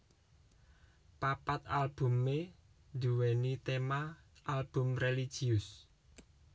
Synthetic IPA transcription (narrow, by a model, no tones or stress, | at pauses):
papat̪̚alb̥ṳmːe | d̪uwɛnit̪ema | ʔalb̥ʊ̤mrelid̥ʒ̥iʊs